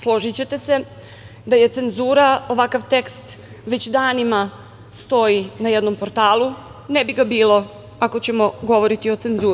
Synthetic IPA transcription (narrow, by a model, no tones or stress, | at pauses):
slˠo̞ʒit͡ɕe̞t̪e̞se̞ | d̪aje̞t̪se̞nzuːɾao̞ʋakaʋt̪e̞kst̪ | ʋe̞t͡ɕd̪aːnima | st̪o̞jinajed̪no̞mpo̞ɾt̪aːlˠu | nebiɡabiːlˠo̞ | ako̞t͡ɕe̞mo̞ɡo̞ʋo̞ɾit̪io̞t̪se̞nzuːɾ